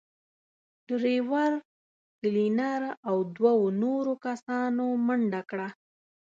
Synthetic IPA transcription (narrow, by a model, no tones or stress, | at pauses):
ɖ̥ɾewaɾ | kəlinaɾawd̪wawonoɾokasɑnoməɳɖakɽa